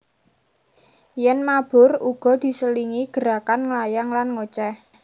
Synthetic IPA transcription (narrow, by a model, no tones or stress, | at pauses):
jɛnmab̥ʊ̤ruɡ̥ɔ̤d̪̥i̤səliŋiɡ̥əɾa̤kanŋlajaŋlanŋot͡ʃɛ